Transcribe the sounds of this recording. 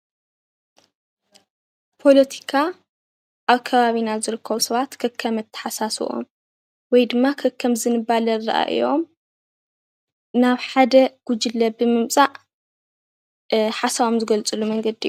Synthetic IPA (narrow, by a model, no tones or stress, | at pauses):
pʰo̞lɐt̪ʰi̥kʰa | ʔaβkʰɐβaβinazɨɾɨkʰːɐβusɐβat̪kʰɐkʰːɐmɐt̪ʰːɐ̥ħasasṵʔo̞̰m | wɔjd̪ɨmːakʰɐkʰːɐmzɨnɨbalɐɾa̰ʔa̰ʔḭjo̞m | naβħad̪ɐɡ̥ud͡ʒɨlːɐbɨmɨmt͡sʼaʔ | ħasaβomzɨɡɐlt͡sʼɨlːumɐŋɡɐd̪ḭjːu